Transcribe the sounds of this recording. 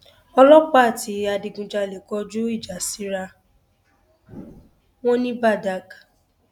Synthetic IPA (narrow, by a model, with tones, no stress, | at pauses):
ɔ˧lɔ˦k͡pa˦a˦˨ti˨˦a˧di˨ɡũ˨d͡ʒa˧˨lɛ˨kɔ˨˦d͡ʒu˦i˦˨d͡ʒa˨si˨˦ɾa˧ | w̃ɔ̃˦nĩ˦ba˦˨da˦k